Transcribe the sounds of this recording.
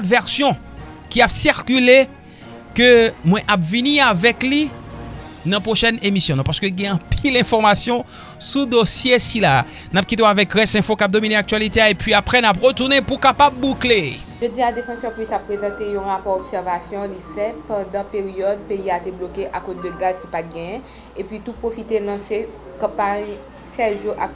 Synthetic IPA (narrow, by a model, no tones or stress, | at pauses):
t̪vɛʁsjɔ̃ | kʲiapsiʁkʲyle | kømwɛ̃ʔapviniavɛkli | nɑ̃pχoʃɛnemisjɔ̃nɔ̃paʁsə̥køɡɛ̃ɑ̃pilɛ̃fɔʁmasjɔ̃ | sud̪osjesila | nap̚kʲit̪̬eoavɛkʁɛsɛ̃fokap̚d̪omineak̚t̪ɥalit̪eaepɥiapʁɛnapʁət̪uʁnepukapab̚ːukle | ʒødiad̪efɑ̃sœʁpʁisapːʁezɑ̃t̪ejɔ̃ʁapɔʁobsɛʁvasjɔ̃lifɛpɑ̃d̪ɑ̃peʁijɔd̪̚peiat̪eblokeʔakozd̪əɡazkʲipat̪̚ɡɛ̃jɛ̃ | epɥit̪upʁofit̪enɐ̃sɛ | kɑ̃paɲ | sɛʒuʔak̚